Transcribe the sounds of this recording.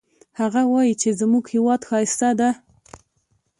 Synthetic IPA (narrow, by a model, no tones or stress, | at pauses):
haɣawɑjit͡ʃezmuɡhewɑd̪xɑjɪst̪ad̪a